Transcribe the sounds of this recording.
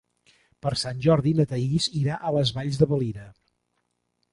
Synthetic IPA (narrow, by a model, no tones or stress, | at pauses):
pəɾsanʲʒɔɾðinət̪əiziɾaʔələzβaʎzðəβəliɾə